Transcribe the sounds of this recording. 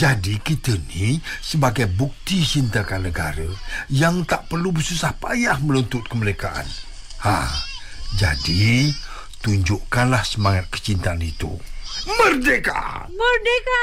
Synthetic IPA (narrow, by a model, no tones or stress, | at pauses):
d͡ʒadikit̪ənisəbaɡajbuk̚t̪it͡ʃint̪akanəɡaɾəjaŋt̪aʔpərlubəsusahpajahməlunt̪ʊt̪̚kəməlekaʔa̰n | ha | d͡ʒa̰di | t̪uɲd͡ʒʊʔkanlahsəmaŋat̪̚kə̥t͡ʃint̪aːnit̪ṵmərdeka̰mərdeka